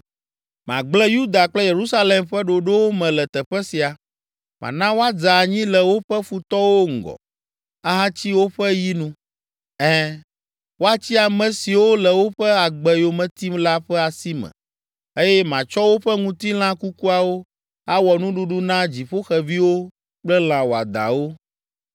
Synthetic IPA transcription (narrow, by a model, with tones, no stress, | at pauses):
mã̰˨ɡ͡blɛ˦ju˦d̪a˨k͡plɛ˦je˨ɾu˦sa˦le˨mɸɛ˦ɖo˨ɖo˦wo˦mɛ̃˨lɛ˨t̪ɛ˨ɸɛ˦si˨a˨ | mã̰˨nã˦wo˦a˦d͡za˨ɲĩ˦lɛ˨wo˦ɸɛ˦fu˨t̪ɔ˦wo˦ŋ̩˨ɡɔ̰˨ | a˦ɦã˦t͡ɕi˦wo˦ɸɛ˦ji˦nũ˦ | ɛ˦ | wo˦a˦t͡ɕi˦a˨mɛ̃˨si˨wo˦lɛ˨wo˦ɸɛ˦a˨ɡ͡bɛ˨jo˨mɛ̃˨t̪i˦mla˦ɸɛ˦a˨si˦mɛ̰̃˨ | e˦jɛ˦mã˨t͡ʃɔ˦wo˦ɸɛ˦ŋũ˦t̪i˦l̃ã˦ku˦ku˦a˨wo˦ | a˦wɔ˨nũ˦ɖu˦ɖu˦nã˦d͡ʑi˨ɸo˦xɛ˨vi˦wo˦ | k͡plɛ˦l̃ã˨wo˨a̰˨d̪ã̰˨wo˦